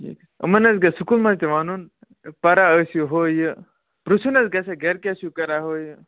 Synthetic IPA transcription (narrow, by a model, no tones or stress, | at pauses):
ḭk | ə̰mɐnɐzɡɐsukulmɐzt̪eʋanuːn | pɐɾaəsjuɦoːjɨ | pɾusʰunɐzɡɐsɐɡɐɾkʲasjukɐɾaɦoːjɨ